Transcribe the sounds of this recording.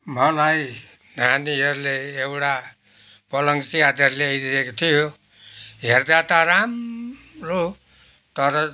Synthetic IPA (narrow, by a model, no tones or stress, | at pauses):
mʌlaj | naniʌɾleːwʈa | pʌlʌŋsiad̪ʌɾleʌjd̪iekt̪ʰijo | ɦeɾd̪at̪aɾamɾo | t̪ʌɾʌ